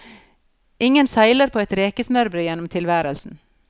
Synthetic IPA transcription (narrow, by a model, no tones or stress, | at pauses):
ʔɪŋənsæɪləɾpʰoːɛt̪ɾeːkəsmœɾbɾəjɛnːʊmt̪ʰɪlʋæːɾəlsn̩